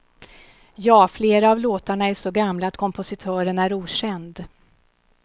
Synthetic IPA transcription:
jɑːfleːɾaːvloːt̪aɳaæʂɔɡamlaːt̪̚kʰɔmpʊsɪt̪ʰœːɾənæɾuːɕɛnd̪

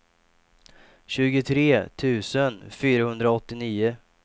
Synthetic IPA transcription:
ɕʉ̟ːɡʊt̪ʰɾeːt̪ʰʉ̟ːsənfyːɾahɵnd̪ɾaɔt̪ːɪniːʊ

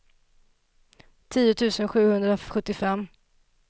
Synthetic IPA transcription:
t̪ʰiːʊt̪ʰʉ̟ːsənɧʉ̟ːhɵnd̪ɾaɧɵt̪ːɪfɛmː

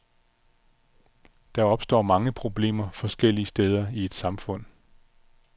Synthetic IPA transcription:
d̥ɑ̈ɒ̽b̥sd̥ɒ̰ːmɑ̈ŋəpʰʁo̝b̥le̝̰ːmɐfɒ̽sɡ̥el̰iəsd̥eːð̞ˠɐie̝d̥sɑ̈mfɔ̽n̰

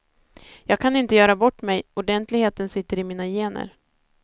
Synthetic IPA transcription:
jɑːɡ̚kʰanɪnt̪əjœːɾabɔʈːmɛjʊɖɛnt̪lɪɡheːt̪ənsɪt̪ːəɾɪmiːnajeːnə̰ɾ

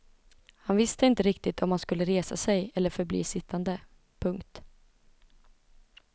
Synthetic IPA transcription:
hanvɪst̪əɪnt̪əɾɪk̚t̪ɪt̪ʰɔmhanskɵlːəɾeːsasɛjɛlːəɾfœɾblḭːsɪt̪ʰːand̪ə | pʰɵŋkt̪

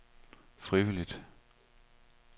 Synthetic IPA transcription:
fʁiʋilid̥

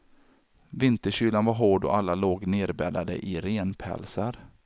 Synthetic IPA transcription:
vɪnt̪əɕyːlanvaɾɦoːɖɔ̰ʔalːaloːɡneːɾbɛːd̪ad̪ə̰ʔɪɾeːnpʰɛ̰lsaɾ

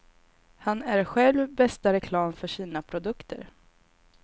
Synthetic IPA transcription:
hanæɾɧɛlvbɛst̪aɾɛkʰlɑːmfœʂiːnapʰɾʊd̪ɵkt̪ʰə̰ɾ

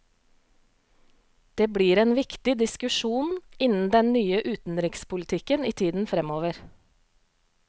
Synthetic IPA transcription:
d̪̥eːbɽiːɾeːnʋɪkt̪ɪd̪ɪskʉʃuːnɪnn̩d̪ɛnnyːəʔʉːt̪n̩ɾɪkspʊlɪt̪ʰɪkəniːt̪ʰiːd̪n̩fɾɛmoːʋəɾ

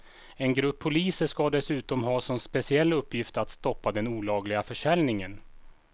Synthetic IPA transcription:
ɛnɡɾɵpʰːʊliːsəʂkad̪ɛsʉ̟ːt̪ɔmɦɑːsɔnspɛsɪɛlːɵpːjɪft̪at̪st̪ɔpːad̪ɛnuːlɑːɡlɪɡafœʂɛlnɪŋən

